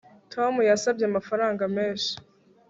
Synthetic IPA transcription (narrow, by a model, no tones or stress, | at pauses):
tʰo̞mujasab̚ɟeamafaɾaːŋɡameːnʃi̥